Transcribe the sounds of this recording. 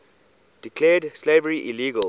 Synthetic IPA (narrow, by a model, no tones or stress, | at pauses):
d̥ikʰlɛdslevəɹiʔiliːɡəl